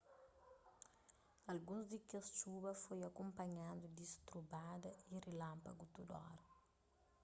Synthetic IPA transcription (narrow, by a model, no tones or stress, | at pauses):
ɐlɡũzd̪ikest͡ʃubɐfojɐkõmpɐɲad̪ud̪ist̪ɾubad̪ɐirilãmpaɐɡut̪ud̪ɔ̰ɾ